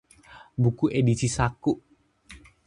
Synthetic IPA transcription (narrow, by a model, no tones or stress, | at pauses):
bukuʔedisisakuʔ